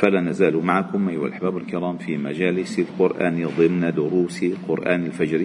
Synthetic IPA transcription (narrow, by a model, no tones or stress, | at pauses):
falanazaːlumaʕakʊmʔajwa̰lʔaħbaːbalkɪɾˤɑːmfima̰d͡ʒaːlɪsalqʊɾʔa̰ːnd̪ˤɪmnad̪ʊɾuːsiqʊɾʔaːnɪlfad͡ʒɾi